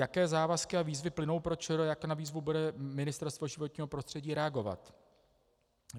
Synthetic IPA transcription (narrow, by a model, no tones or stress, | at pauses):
jakɛːzaːvaskɪaviːzvɪplɪno̞wpɾot͡ʃɛɾojakonaviːzvubudɛmɪnɪst̪ɛɾst̪voʒɪvo̞t̪ɲiːɦopɾo̞st̪r̥ɛɟiːɾɛaɡo̞va̰t̪